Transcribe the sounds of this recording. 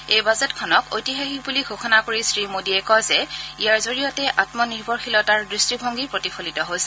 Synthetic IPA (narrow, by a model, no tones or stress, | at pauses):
ejbazɛtkʰɔnɔkojtiɦaxik̚buliɡʱoxɔnakoɹisɹimodiɛkɔzɛijaɹzoɹijɔtɛʔatmɔniɹbʱɔɹxilɔtaɹdɹistibʱɔŋɡipɹotipʰolitɔɦosɛ